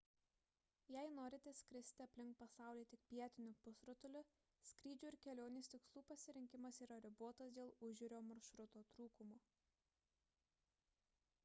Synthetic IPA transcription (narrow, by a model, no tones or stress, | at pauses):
jæɪnoːɾʲɪt̪ʲɛsʲkʲɾʲɪsʲt̪ʲɪɐpʲlʲɪŋk̚pɐsɑˑʊlʲeːt̪ʲɪkpʲiɛt̪ʲɪnʲʊpʊsɾʊt̪ʊlʲʊ | sʲkɾʲiːd͡ʒʲʊːɪɾkʲɛlʲoːnʲɪsʲt̪ʲɪkslˠuːpɐsʲɪɾʲɪŋʲkʲɪmɐsiːɾɐɾʲɪbuɔt̪ɐsd̪ʲeːlˠʊʒʲʊɾʲoːmɐɾʃɾʊt̪oːt̪ɾuːkʊmoː